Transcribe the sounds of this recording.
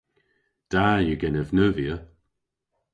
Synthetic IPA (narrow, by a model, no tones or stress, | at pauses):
d̥ajəɡɛnəvnəvjə